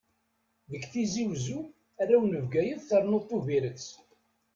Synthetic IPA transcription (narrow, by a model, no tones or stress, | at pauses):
ðəkθiziwzu | æɾæwnəvɡæjəðθəɾˤnot̪ˤːuviɾət͡sː